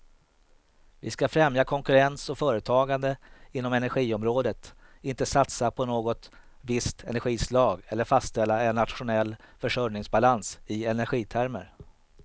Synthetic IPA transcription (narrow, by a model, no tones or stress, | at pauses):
vɪskafɾɛmjakʰɔŋkɵɾɛnsɔfœːɾət̪ʰɑːɡand̪əɪnːɔmɛnæɾɧiːɔmɾoːd̪ət̪ɪnt̪əsat̪sapʰɔnoːɡɔt̪ | vɪst̪ʰɛnæɾɧiːslɑːɡɛlːəɾfast̪sɛlːaɛnːat̪ɧʊnɛlːfœʂœɾnɪŋsbalansɪɛnæɾɧiːt̪ʰæɾmə̰ɾ